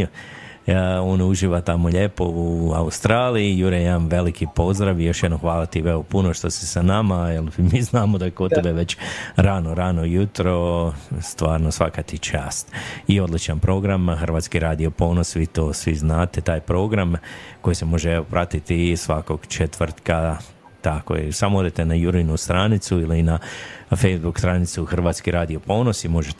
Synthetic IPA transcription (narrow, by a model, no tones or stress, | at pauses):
o̞ːnuʒiːʋat̪amo̞ʎeːpo̞ua̰ust̪ɾaːliijuɾejeanʋe̞likʰipo̞zd̪ɾaʋijo̞ʃjed̪noxʋaːlˠat̪iʋeopuno̞ʃt̪osisanamaelmiːznaːmod̪aekot̪t̪ebeʋe̞t͡ɕɾanoɾanojut̪ɾo̞st̪ʋaːɾnosʋakat̪it͡ʃaːst̪io̞d̪lit͡ʃanpɾo̞ɡɾamxr̩ʋaːt̪skiɾaːd̪io̞po̞ːnosʋit̪o̞ːsʋiznaːt̪e̞t̪aːjpɾo̞ːɡɾamko̞jise̞mo̞ʒeeʋopɾʔat̪it̪isʋako̞ɡ̥t͡ʃe̞t̪ʋrt̪ka | t̪ako̰jḛsamood̪et̪e̞najuɾinust̪ɾanit̪suilinafejzbukst̪ɾanit̪suxr̩ʋaːt̪skiɾaːd̪io̞po̞ːno̞simo̞ʒet̪